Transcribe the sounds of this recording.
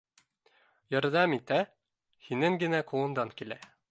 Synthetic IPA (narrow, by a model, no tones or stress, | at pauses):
jɒɾd̪æmit̪æ | hinɘŋɡɘ̆næqʰuɤ̆nd̪ɑŋkilæ